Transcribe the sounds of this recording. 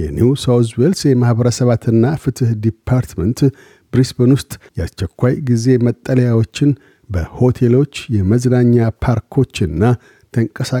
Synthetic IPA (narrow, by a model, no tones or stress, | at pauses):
jɛ̰nuwsawswelsjɛmahbəɾəsəβat̪ɨnːafɨt̪ʰɨhd̪ipʰːaɾt̪mənt̪ | bɾisbonwʊst̪ʼjɛast͡ʃːɛkʷːajɡize̞mət̪ʼːələjawo̞t͡ʃːɪn | bəho̞t̪ʰelo̞t͡ʃːjɛməznaɲːapʰaɾkʰo̞t͡ʃːɨnːa | t̪ʰəŋkʼəsa